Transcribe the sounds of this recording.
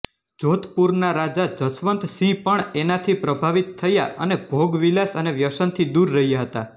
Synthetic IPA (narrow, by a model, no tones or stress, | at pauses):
d͡ʒot̪puɾnaɾad͡ʒad͡ʒəsʋənt̪sĩpəɳenat̪ʰipɾəbʱaʋit̪ʰːəja̰ʔə̰nebʱoɡʋilasəneʋjəʃənt̪ʰid̪uɾːəɦijaɦət̪a